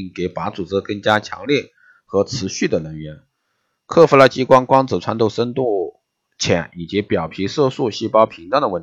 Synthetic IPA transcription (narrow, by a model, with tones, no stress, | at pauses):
ŋke˧˥ɪpa˧˥t͡su˨˩ʈ͡ʂɻ̩˥kɤ˥˩ŋt͡ɕja˥t͡ɕʰjɑ̰˧˥ŋljɛ˥˩ | xɤ˧˥ʈ͡ʂʰɹ̩˧˥ɕy˥˩d̪ə˩ɻə˧˥nɥɛ˧˥n | kʰɤ˥˩fu˥la˧t͡ɕi˥kwɑ˥ŋkwɑ˥ŋt͡sɹ̩˨˩ʈ͡ʂʰwa˥nt̪o˥˩ʊʂə˥nt̪u˥˩ | t͡ɕʰjɛ̰˧˥ni˨˩t͡ɕi˧˥pjɑ˨˩ʊpʰi˧˥ʂɤ˥˧ʂu˥˩ɕi˥˩pɑ˥ʊpʰi˧˥ŋʈ͡ʂɑ˥ŋd̪ə˧wə˥˩n